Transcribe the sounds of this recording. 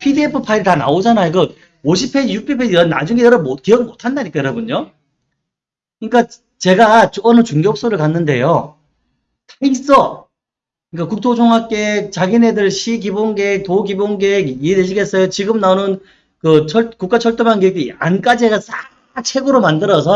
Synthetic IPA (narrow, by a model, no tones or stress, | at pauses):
pʰidiepʰɯpʰaiɾɯtana̰od͡ʑanajoɡɯ | oɕʰipʰeijuk̚pʰipʰeiɾʌnna̰d͡ʑuŋɡejɾʌmokiʌɡiɭmotʰandaɲik͈ajɾʌbuɲo | kɯɲik͈a | t͡ɕe̞ɡat͡ɕoʌnɯt͡ɕuŋɡʌok̚s͈oɾɯɭkanːɯnde̞̰jo | tʰeis͈ʌ | ɯɲik͈akuk̚t͈ʰod͡ʑʰoŋɦak͈et͡ɕaɡine̞dɯɭɕʰik̬ibonɡek̚toɡibonɡeɡiedeɕʰiɡe̞s͈ʌjot͡ɕiɡɯmnaonɯn | kɯt͡ɕʰʌɭkuk͈at͡ɕʰʌɭt͈omanɡek̚t͈ea̰nk͈ad͡ʑieɡasa | t͡ɕʰe̞ɡɯɾomandɯɾʌs̬ʰʌ